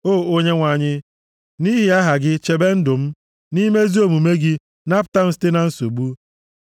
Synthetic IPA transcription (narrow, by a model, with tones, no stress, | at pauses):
oː˦˨o˦ɲe˦ŋʷa˨ɲɪ˦ | ni˦ɦɪ˨a˦ɦa˨ɡɪ˦t͡ʃe˨be˦n̩˦dʊ˨m̩˦ | ni˦me˦zi˦o˨mu˨me˦ɡɪ˦ | na˦pʊ˨ta˦m̩˦si̥˦te˦na˨n̩˦so˨bu˦